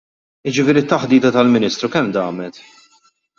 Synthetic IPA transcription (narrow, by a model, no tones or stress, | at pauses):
ɪd͡ʒɪfɪːɾiɪt̪ːɐħd̪iːt̪ɐt̪ɐlmɪniːst̪ɾukɛmd̪ɐ̰ːmɛt̪